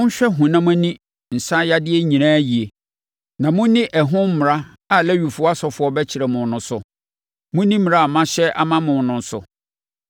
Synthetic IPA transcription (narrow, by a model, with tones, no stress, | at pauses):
ʊ̃˦n̩˦ɕᶣɛ˦ɦũ˨nã˦m˦æ̃˦nĩ˦ | n̩˨sã˦ja˦dɪ˦ɛ˦ɲĩ˨nãː˦ji˨e˨ | nã˨mʊ̃˦nɪ̃˦ʔɛ˨ɦʊ̃˦m̩˦m˨ɾa˦ | a˨lɛ˦ɥᶣu˨fʊ˦ɔ˦a˦sɔ˨fʊ˨˦ɔ˦bɛ˦t͡ɕʰɪ˨ɾɛ˨mʊ̃˨nʊ̃˨sʊ˨ | mʊ̃˦nĩ˦m˨ɾa˦a˨mã˦ɕɛ˦ʔa̰˦mã˦mʊ̃˨nʊ̃˨n̩˨˦sʊ̰˨